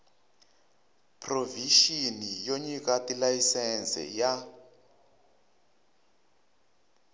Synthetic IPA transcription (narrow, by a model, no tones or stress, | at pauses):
pʰroviʃinijoɲikatʼilajisɛnsɛ̰ja